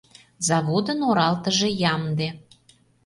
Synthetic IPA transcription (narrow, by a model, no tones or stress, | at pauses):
zɑβod̪ənoɾɑlt̪əʒejɑmd̪e